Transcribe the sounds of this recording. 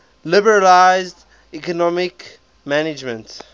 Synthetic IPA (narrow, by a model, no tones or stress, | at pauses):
lɪbəɹəlaɪzd | ikənɔmɪk | mænɪd͡ʒmə̃nt